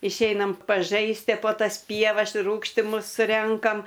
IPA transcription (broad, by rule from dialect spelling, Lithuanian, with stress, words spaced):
ɪʃʲˈɛɪnɐm pɐˈʒɐɪsʲtʲiɛ poː tɐs ˈpʲiɛʋɐs ɪr ˈruːkʃʲtʲɪmʊs ˈrʲɛŋkɐm